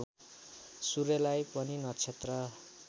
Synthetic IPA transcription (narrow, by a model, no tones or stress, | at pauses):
suɾelajpʌninʌt͡sʰet̪rʌ